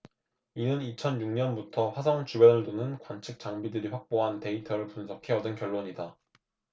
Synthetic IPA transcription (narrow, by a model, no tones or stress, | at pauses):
inɯnit͡ɕʰʌnjuŋɲʌnbutʰʌɸwas̬ʰʌŋt͡ɕubjʌnɯɭdonɯnkwant͡ɕʰɯk̚t͡ɕ͈aŋbidɯɾiɸwak̚p͈oɦante̞itʰʌɾɯɭpunsʰʌkʰe̞ʌdɯnkjʌɭːoɲida